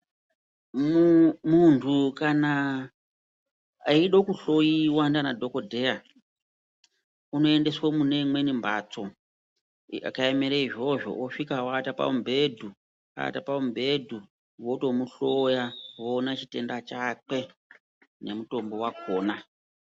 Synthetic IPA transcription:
muntʰukana | iɗokuɬo̞jiwandanadʱo̞ko̞dʱe̞ja | uno̞e̞nde̞swomune̞mwe̞nimbat͡so̞ | a̰kaemeɾeiʐo̞ʐo̞̰oʂikawatapa̰umbʱe̞dʱu | a̰tapaumbʱe̞dʱu | woto̞muɬojawonat͡ʃite̞ndat͡ʃak͡pe̞ | ne̞muto̞mbo̞wakʰoːna

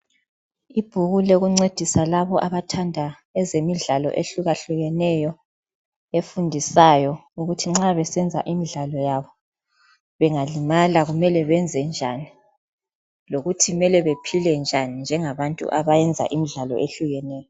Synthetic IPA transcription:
ib̥ʱuɣulɛɣuŋ͡ǀed̥ʱisalaβɔʔaβatʰandʱa | ɛzemiɮalɔ̰ʔeɬuɣaɬuɣɛnɛjɔ | efundʱisajɔuɣutʰiŋ͡ǁaβɛsɛnd͡zʱa̰ʔimiɮalɔjaβɔ | βɛŋalimalaɣumɛlɛβɛnd͡zʱɛnd͡ʒʱani | loɣutʰimɛlɛβepʰilɛnd͡ʒʱanind͡ʒʱɛŋaβantʼṵʔaβajɛnd͡zʱa̰ʔimiɮalɔ̰ʔeɬuɣɛnɛːjɔ

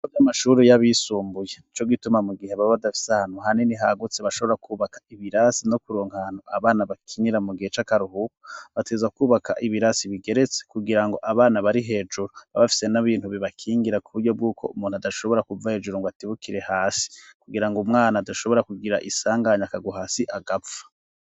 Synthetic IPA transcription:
ovjamaʃuɾijaβisuːmbujenit͡ʃo̞ɡitumamuɡiheβaββadafi̥sahan̥huɦaniniɦaɡut͡seβaʃo̞βo̞ɾakʰuːβakḁiβiɾasino̞kuɾoːŋhaanuaβaːnaβakʰiɲiɾamuɡihe̞t͡ʃakaɾuɦuko̥βatezakuːβakʰa̰ʔiβiɾasiβiɡe̞ɾe̞t͡se̥kuɡiɾaŋɡo̞ʔaβaːnaβaɾiɦe̞ːd͡ʒuɾuβaβafi̥se̞naβiːn̥huβiβakʰiːŋɡiɾakuβuɾɟo̞b̚ɡuːkʰo̞umuːnhuadaʃo̞βo̞ɾakuvahe̞ːd͡ʒuɾoŋɡoatiβukiɾe̞haːsi̥kuɡiɾaŋɡumŋaːnadaʃo̞βo̞ɾakuɡiɾaʔisaːŋɡaɲakaɡuɦasiʔaɡapfḁ

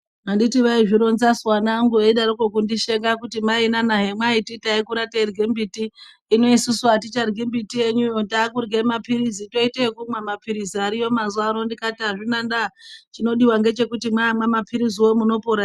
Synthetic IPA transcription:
nonditiʋaiʐiɾo̞nzaswanaŋɡueiɗaɾokokundiʃe̞ŋɡakutimainanaɦemwaititaikuɾaterɡembitiː | no̞isusuat̬it͡ʃarɡembitije̞ɲujondaːkurɡemapiɾizito̞itekumwemapiɾiziaɾijo̞mazwaɾo̞ndikatiaʐinandat͡ʃino̞ɗiwaŋɡe̞t͡ʃe̞kutimwaːmwamapʰiɾiziwomuno̞poɾa

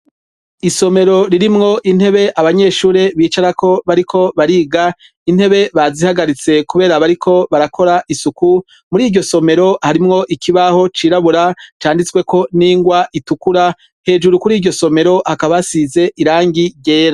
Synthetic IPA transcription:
iso̞me̞ɾo̞ɾiɾimŋo̞ʔin̥he̞βe̞ʔaβaɲe̞ːʃuːɾe̞βiːt͡ʃaɾakʰo̞βaɾikʰo̞βaɾiːɡa | in̥he̞βe̞βazihaɡaɾit͡se̞kuβe̞ːɾaβaɾikʰo̞βaɾakʰo̞ɾaʔisuku | muɾiːɟo̞so̞me̞ɾo̞haɾimŋo̞ʔikʰiβaho̞t͡ʃiːɾaβuɾat͡ʃaːndit͡swe̞ko̞niːŋɡwaʔitukuɾa | he̞ːd͡ʒuɾukuɾiːdɟo̞so̞me̞ɾo̞hakaβasize̞ʔiɾaːŋɡiɟe̞ːɾa

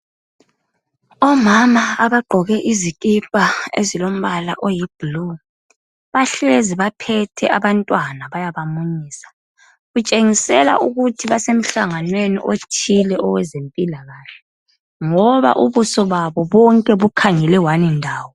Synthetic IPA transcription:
ɔmamaaβaɡ͡ǃʱɔɣɛʔizikʼipʼaezilom̩βala̰ʔojib̥ulu | βaɬeziβapʰɛtʰɛʔaβantʼwanaβajaβamuɲiːsḁ | ɣut͡ʃʼeŋisɛla̰ʔuɣutʰiβasem̩ɬaŋanwenḭʔotʰilɛʔɔwɛzempʼilaɣaːɬɛ̥ | ŋɔβa̰ʔuβusɔβaβɔβɔŋkʼɛβukʰaŋɛlɛwanindʱaːwɔ

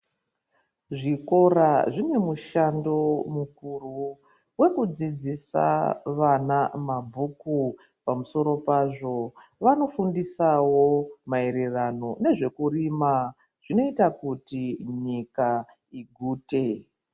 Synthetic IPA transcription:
ʐiko̞ɾaʐine̞muʃando̞mukuru | we̞kud͡zid͡zisa̰ʋanamabʱuku | pamuso̞ɾo̞paʐo̞ʋano̞fundisawo̞mae̞ɾerano̞ne̞ʐe̞kurima | ʐ̥ino̞itakutiɲika | iɡʱuːte̞

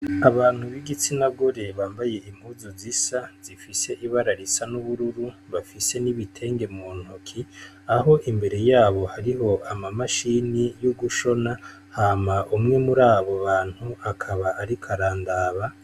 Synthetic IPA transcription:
aβaːn̥huβiɡit͡sinaɡoɾe̞βaːmbaje̞ʔim̥huːzozisaz̥ifise̞ʔiβaɾaɾisanuβuɾuɾuβafise̞niβitʰe̞ːŋɡe̞moːn̥hokʰi | aɦo̞ʔimbe̞ɾe̞jaːβo̞haɾiɦo̞ʔamamaʃinijuɡuʃo̞na | haːmaʔumŋe̞muɾaːβo̞βaːn̥huakʰaβaʔaɾikʰaɾaːndaːβa

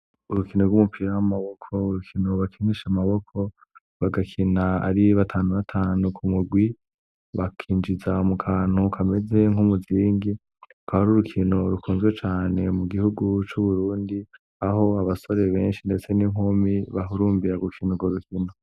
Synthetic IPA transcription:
uɾukinoɾɡwumupʰiɾawamaβo̞kʰo̞uɾukʰino̞βakʰiniʃamaβo̞kʰo̞ | βaɡakʰinaa̰ɾiβatʰaːnuβatʰaːnukʰumuɡwi | βakʰiːnd͡ʒizaumukʰaːn̥hukʰame̞ze̞ŋhumuziːŋɡi | ukʰaβaɾuɾukʰino̞ɾukʰuːnzɡwe̞t͡ʃaːne̞muɡihuɡut͡ʃuβuɾuːndi | aho̞aβaso̞ɾe̞βe̞ːnʃinde̞t͡se̞nimɦomiβaɦuɾuːmbiɾaɡukʰinoɡoɾukʰino̞

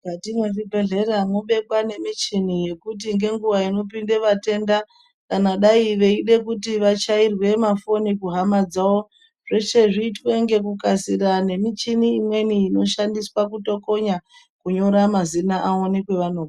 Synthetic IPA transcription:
katino̞ribʱe̞ɮe̞ramoɓe̞kwane̞mit͡ʃinije̞kut̬iŋɡe̞ŋɡuʋaino̞p̬inde̞ʋate̞nda | kanaɗaiʋe̞iɗe̞kutiʋat͡ʃairwe̞mafo̞nikuɦamad͡zao | ʐe̞t͡ʃe̞ʐiːtweŋɡe̞kukasiɾane̞mit͡ʃiniːmwe̞niːno̞ʃandiswakuto̞ko̞ɲa | kuɲo̞ɾamazinaʔaonikwe̞ʋanoːka

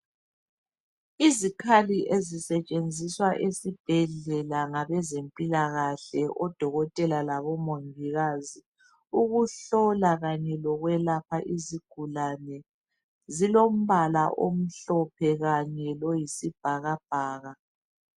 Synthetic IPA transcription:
izikʰaliʔezisɛt͡ʃʼend͡zʱiswaʔesib̥ʱɛɮɛlaŋaβɛzempʼilaɣaɬɛʔɔd̥ʱɔɣɔtʼɛlalaβɔmoɱvʱiɣazi | uɣuɬɔlaɣaɲɛlɔɣwɛlapʰaʔiziɡ̥ʱulanɛ | zilom̩βalaʔo̰m̩ɬɔpʰɛɣaɲɛlɔjisib̥ʱaɣab̥ʱaːɣa

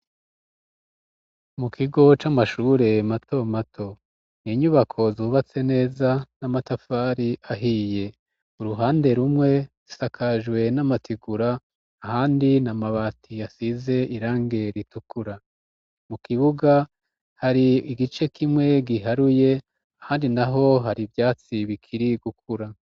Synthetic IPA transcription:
mukʰiɡo̞t͡ʃamaʃuɾe̞matʰo̞matʰo̞ | niɲuβakʰo̞zuːβat͡se̞ne̞ːzanamatafaːɾiʔaɦije̞ | uɾuɦaːnde̞ɾumŋe̞z̥isakʰaʒɡwe̞namatʰiɡuɾaː | haːndinamaβaːtʰijasize̞iɾaːŋɡe̞ɾitukuɾa | mukiβuɡa | haɾiiɡit͡ʃe̞kʰimŋwe̞ɡiɦaɾuje̞ | ahaːndinaɦo̞ɦaɾivjaːt͡siβikʰiɾiɡuk̚ʰuɾa

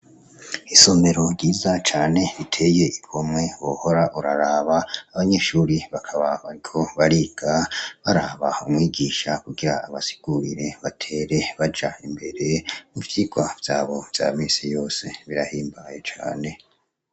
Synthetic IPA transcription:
iso̞me̞ɾo̞ɾɟiːzat͡ʃaːne̞itʰe̞je̞ʔikʰo̞mŋe̞βoho̞ɾaʔuɾaɾaːβaːβaɲe̞ʃuːɾiβakʰaβaβaɾikʰo̞βaɾiɡ̥aβaɾaβaumŋiːɡiːʃakuɡiɾaːβasi̥ɡ̥uɾḭɾe̞βatʰe̞ɾe̞βad͡ʒaimbe̞ɾe̞muvjiɡwav̥jaːβo̞v̥ja̰ːmiːnsijo̞ːse̞βiɾahiːmbaje̞t͡ʃa̰ːne̞

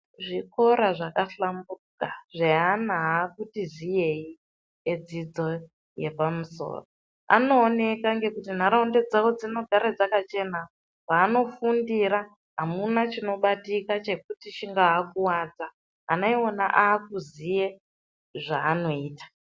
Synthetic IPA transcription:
ʐiko̞ɾaʐakaɬambukaʐeɦanaɦakutizije̞i | ed͡zid͡zo̞ | je̞pamuso̞̰ːro | a̰no̞ːne̞kaŋɡe̞kutin̤aɾaunde̞d͡zawod͡zino̞ɡʱaɾad͡zakat͡ʃe̞na | paːno̞fundiɾa | ɦamunat͡ʃino̞ɓatikat͡ʃe̞k̚utit͡ʃiŋɡaɦakuwad͡za̰ː | noiona̰ʔaːkuzije | ʐaːno̞iːtḁ

